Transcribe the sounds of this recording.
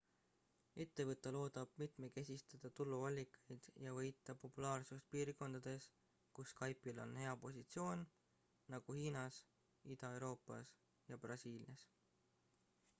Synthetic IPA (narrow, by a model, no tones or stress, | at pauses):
e̞t̪ːe̞vɤt̪ːˑelo̞ːd̪̥ɑb̥̚mit̪meke̞sʲist̪ɑd̪̥ɑt̪ulːuɑlʲːikːˑɑ̥jd̪̥jɑvɤjt̪ˑːɑpo̞pːˑulɑːrsust̪̚piːrko̞nd̪̥ɑd̪̥e̞s | kusːkɑjpːilo̞̰nhe̞ɑpo̞sit̪sio̞ːnː | ɑɡ̥uhiːnɑs | id̪̥ɑe̞wɾo̞ːpˑːɑ̰s | jɑb̥rɑsiːljɑs